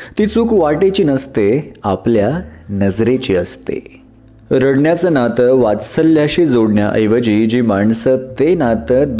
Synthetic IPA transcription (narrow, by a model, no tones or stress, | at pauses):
t̪iːt͡suːkʋaʈet͡ɕiːnəst̪eapljanəd͡zɾet͡ɕiːəst̪ḛ | ɾəɽɳjat͡sənat̪əʋat͡ssəlːjaɕid͡zoɽɳja̰ʔə̰jʋəd͡ʑiːd͡ʑiːmaɳsət̪enat̪əd̪